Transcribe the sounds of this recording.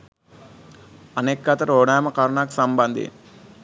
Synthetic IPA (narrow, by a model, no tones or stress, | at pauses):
ɐneːkːat̪ɐɾoːɽaːmɐkaɾɳaːku̥sɐmbɐnd̪ʱḭn